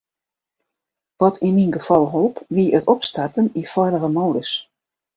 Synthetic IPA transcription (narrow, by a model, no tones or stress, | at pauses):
ʋɔtʰininɡəfɔlˠɦɔlˠpʋiəətɔpstartənifɔjdərəmowdəs